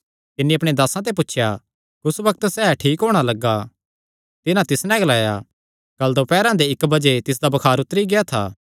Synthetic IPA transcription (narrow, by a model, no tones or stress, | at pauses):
t̪ɪnːĩɐpɽ̃ed̪aːsãt̪̬ep̬ʊtːʃʰja | kʊsʋɐk̚t̪sɛːʈʰiːkɦoːɽ̃alɐɡːa | t̪ɪnãt̪ɪsnɛ̃ɡlaːja | ɡ̥ɐld̪opɛːɾãd̪eɪkbɐd͡ʒet̪ɪs̬d̪abɐkʰaːɾʊt̪əɾiɡeat̪ʰa̰ː